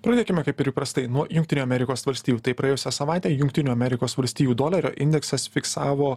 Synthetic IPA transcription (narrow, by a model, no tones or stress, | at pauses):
pɾɐːd̪ʲeːkʲɪmʲɛkɐɪpɪɾɪpɾɐst̪ɐɪnuɔjʊŋkt̪ʲɪnʲuːɐmʲɛɾʲɪkoːsʋɐlʲsʲt̪ʲiːjuːt̪ɐɪpɾɐjeːjʊsʲɛsɐʋɑˑɪt̪ʲɛːjʊŋʲkt̪ʲɪnʲuːɐmʲɛɾʲɪkoːsʋɐlʲsʲt̪ʲiːjuːd̪oːlʲɐɾʲo̰ːʔɪnʲd̪ʲɛksɐsfʲɪksɑːʋoː